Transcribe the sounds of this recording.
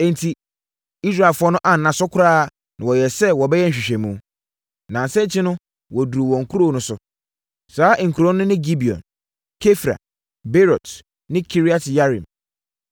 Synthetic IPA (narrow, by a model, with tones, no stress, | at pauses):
ɛ̃˨n˨tʰi˨ | i˦s̬ɾa˨e˨lfʊ˦ɔ˦nʊ̃˦ʔã˨n̩nːã˨sɔ˦kʰʊ˦ɾaː˦˨ | nã˨wɔ˨jɛ˨sɛ˦wɔ˨bɛ˦jɛ˦˨i˨ɕᶣɛ̃˨mũ˦ | nã˨n˨sɛ˦t͡ɕʰɪ˦nʊ̃˦ | wɔ˨du˨ɾu˨wɔ̃˨ŋ̩˨kʰu˦ɾo˦˨nʊ̃˦sʊ˦ | saː˨˦ʔŋ̩˨kʰu˨ɾõ˦nʊ̃˦nɪ̃˦ɡi˦bi˨ɔ̰̃˨n | kʰe˦fɾa̰˨ | be˦ɾɔ˨t | nɪ̃˦kʰi˦ɾi˦a˦tʰja˦ɾḭ̃˨m